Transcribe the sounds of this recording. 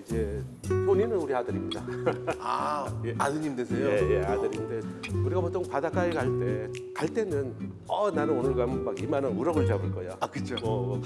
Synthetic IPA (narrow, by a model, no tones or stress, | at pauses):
id͡ʑe̞ | sʰoɲinɯnuɾihadɯɾimɲidaajeʔanɯɲimdwesʰejoe̞jeadɯɾinnde̞uɾiɡapot͈ʰoŋpadak͈aikaɭt͈e̞ | kaɭt͈e̞nɯn | ʌnanɯnonɯɭɡammaɡimanɯnuɾʌɡɯɭt͡ɕabɯɭk͈ʌjoakɯt͡ɕʰomʌ